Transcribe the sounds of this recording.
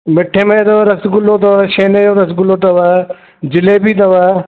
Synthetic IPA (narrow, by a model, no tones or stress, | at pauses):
mɪʈʰeːmet̪oɾɐsɡʊlot̪ɐʋaʃeːnejoːɾɐsɡʊlot̪ɐʋa | d͡ʒɪlebit̪ɐʋa